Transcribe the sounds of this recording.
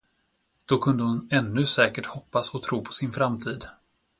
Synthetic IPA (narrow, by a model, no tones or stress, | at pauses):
d̪̥ɔkʰɵnd̪əhʊnɛnːɵsɛːkəʈhɔpːasɔt̪ʰɾuːpʰɔ̥sɪnfɾamt̪ʰiːd̪